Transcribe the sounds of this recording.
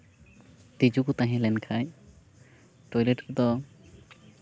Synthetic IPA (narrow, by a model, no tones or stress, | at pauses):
t̪id͡ʒukut̪aɦɛ̃lɛnkʰaj | ʈɔjleʈkud̪ɔ